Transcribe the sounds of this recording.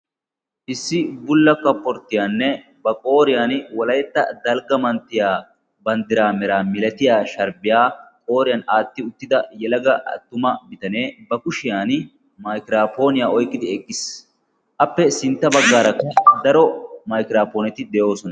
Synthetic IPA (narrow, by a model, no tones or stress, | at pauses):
ʔɪsːɪbʊlːɐkːɐpːɔɾt̪ːɪjaːnːɛ | bɐkʼo̞ːɾɪjaːnwɔlɐjt̪ːɐ̰d̪ɐlɡɐmɐnt̪ːɪjaː | bɐnd̪ɪɾaːmɛɾaːmɪlɐt̪ɪjaːʃɐɾbɪjaːkʼo̞ːɾɪjɐːnaːt̪ːɪʊt̪ːɪd̪ɐjɛlɐɡɐʔɐ̰t̪ːʊmɐmɪt̪ɐneːbɐkʊʃɪjaːn | mɐjkɪɾaːpo̞ːnɪjaːɔjkʼːɪd̪ɪɛkʼːɪs | ʔɐpːɛsɪnt̪ːɐbɐɡːaːɾɐkːɐd̪ɐɾɔmɐjkɪɾaːpoːnɛt̪ɪd̪ɛjo̞ːsɔnɐ